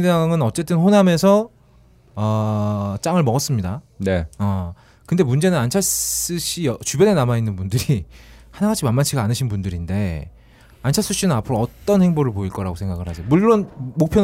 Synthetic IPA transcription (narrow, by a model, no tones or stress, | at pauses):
daŋɯnʌt͡ɕ͈e̞t͈ɯnɸoname̞sʰʌ | ʌt͡ɕ͈aŋɯɭmʌɡʌs͈ɯmɲida | neʌ | kɯnde̞mund͡ʑe̞nɯnant͡ɕʰass͈ɯɕ͈ijʌt͡ɕubjʌne̞namainːɯnbundɯɾihanaɡat͡ɕʰimanmat͡ɕʰiɡanɯɕʰinbundɯɾinde̞ | ant͡ɕʰaɭs͈ɯɕ͈inɯnapʰɯɾoʌt͈ʌnhe̞ŋboɾɯɭpoiɭk͈ʌɾaɡosʰeŋɡaɡɯɭɦhasʰejomuɭːonmok̚pʰjʌn